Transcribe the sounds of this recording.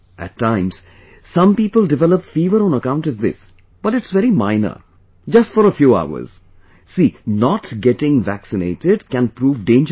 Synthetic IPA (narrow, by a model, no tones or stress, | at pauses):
ʔæ̰tʰːãɪ̃mz̥ | sʌ̃mpiːpəlˠdɪʋɛləpfiːʋəɾɔ̃ːnəkãʊ̃ntɔvðɪ̰s | b̥ʌʈɪʈsʋɛɾimãɪ̃nə̰ | d͡ʒʌstfɔɾəfjuːa̰ʊə̰z̥ | siːnɔʈɡɛʈɪ̃ŋvæksɪneɪʈɪɖkæ̃npɾuːvɖẽɪ̃nd͡ʒ